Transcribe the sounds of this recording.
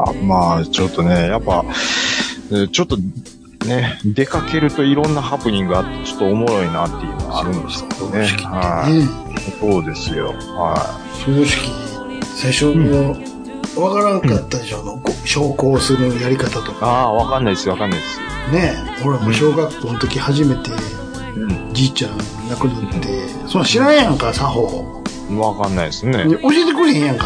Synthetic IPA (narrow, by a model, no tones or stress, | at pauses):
a̰maːt͡ɕo̞t̪ːo̞ne̞japːa | t͡ɕo̞t̪ːo̞ | ne̞d̪e̞kake̞ɾɯ̟t̪o̞iɾõ̞nːahapɯ̟ɲ̟ĩŋɡɯat̪ːe̞t͡ɕo̞̥t̪ːoːmo̞ɾo̞inaːt̪ːe̞jɯ̟nom̰a̰ɾɯ̟̃nd̪esɨ̥koːd̪eɕkʲihaine | so̞ːd̪e̞sɨjo̞̰ | hai | soːd̪oɕi̥kʲi | saiɕomo | βakaɾãŋkat̪ːad̪eɕoanoɡoɕo̞ːko̞ːsɨɾɯ̟jaɾʲikat̪at̪o̞kaβakanːaid̪esβakanːaid̪esɨ | ne̞ | oɾemoɕo̞ːɡakːoːnot̪o̞kʲihaʑime̞t̪ẽ̞ | d͡ʑit͡ɕãn | nakɯ̟nat̪ːe̞ | sõnːãɕiɾãjãŋkasaɦoː | βakanːaisɨneneʔoɕiːt̪ekɯ̟ɾhẽjãŋka